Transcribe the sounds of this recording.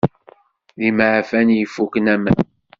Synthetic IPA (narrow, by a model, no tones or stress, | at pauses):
ðimʕfænjəfːukənæmæ